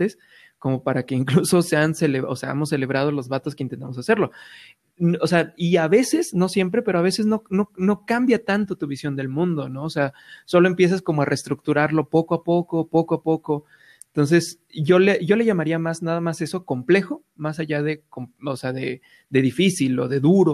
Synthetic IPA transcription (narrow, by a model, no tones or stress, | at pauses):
t̪e̞s | ko̞mo̞paɾake̞iŋkluso̞se̞anse̞leβoseaa̰mo̞sːe̞le̞β̞ɾað̞olo̞zβat̪o̞skeint̪ent̪amosase̞ɾlo̞ | noseaiaβe̞se̞sno̞sjempɾe̞pe̞ɾo̞aβe̞sezno̞no̞no̞kambjat̪ant̪o̞t̪uβisjo̞nd̪e̞lmũnd̪o̞no̞ːse̞aso̞lo̞e̞mpjes̬asko̞mo̞arʔest̪ɾuk̚t̪uɾaɾlo̞po̞koapo̞ko̞po̞koapo̞ko̞ | ent̪o̞ns̬e̞s | ʝo̞leʝo̞le̞ʝamaɾiamaznað̞amase̞so̞ko̞mple̞xo̞ | masaʝaðe̞komoseaðe̞ | d̪e̞ðifisilo̞̰ðe̞ðuɾo̞